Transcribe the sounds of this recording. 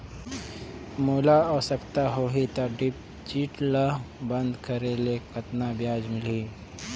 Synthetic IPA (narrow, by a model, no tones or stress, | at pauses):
muːlaɔːsəkt̪aɦoːɦit̪aɖɪp | t͡ʃiːʈlabə̃nd̪kəɾelekət̪nabjaːd͡ʒmɪliː